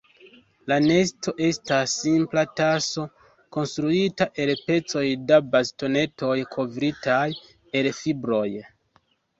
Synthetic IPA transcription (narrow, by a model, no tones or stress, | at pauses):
lane̞sto̞ʔe̞stasːimplataso̞ | ko̞nstɾuitaʔe̞lpe̞t͡so̞jdabasto̞ne̞to̞jkʰo̞vɾitʰaj | e̞lfibɾo̞j